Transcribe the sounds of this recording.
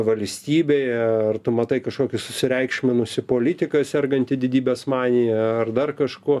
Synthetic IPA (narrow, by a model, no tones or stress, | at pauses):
ʋɐlʲsʲt̪ʲiːbʲeːjɛɐrt̪ʊmɐt̪ɐɪkɐʃkoːkʲɪsʊsʲɪɾʲɛɪkʃʲmʲɪnʊsʲɪpoːlʲɪt̪ʲɪkɐsʲɛrɡɐnʲt̪ʲɪd̪ʲɪdʲiːbʲeːsmɑːnʲɪjɛɐrd̪ɐrkɐʃkuɔ